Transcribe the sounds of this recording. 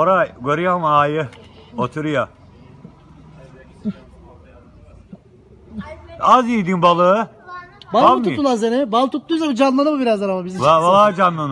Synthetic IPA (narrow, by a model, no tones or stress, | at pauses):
oɾajɡoɾijamaːjɯot̪ʰuɾuja | azijd̪inbalˠɯ | balˠammt̪uit̪ːulˠazenɪbalˠt̪ʰut̪lˠujzamd͡ʒanlˠanɯmɯbiɾazd̪aɾamabizilavalˠaːd͡ʒanːˠanɯ